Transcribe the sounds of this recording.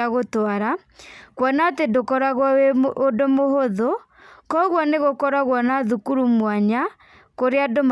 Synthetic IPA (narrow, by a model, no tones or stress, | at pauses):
aɣotwaɾa | kwɔnatedokɔɾaɣwaeodomohoðo | kɔɣwɔneɣokɔɾaɣwɔnaðukuɾumwaɲa | koɾeadom